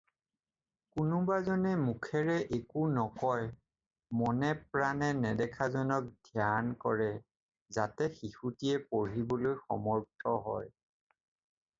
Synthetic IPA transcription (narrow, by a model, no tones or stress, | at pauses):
kʊnʊbazɔnɛmukʰɛɹɛʔekunɔkɔj | mɔnɛp̚ɹanɛnɛdɛkʰazɔnɔk̚dʱjankɔɹɛ | zatɛxixutiɛpoɹibɔlojxɔ̰mɔɹtʰɔɦɔ̰j